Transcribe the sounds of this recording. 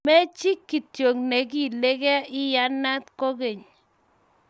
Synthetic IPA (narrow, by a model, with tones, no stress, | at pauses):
mɛ˦t͡ʃɪ˦kːi˨tjo˨ŋne˨k̬i˦˨le˦kɛ˦ɪ˦ja˦na˦t̪̚ko˦ke˨ɲ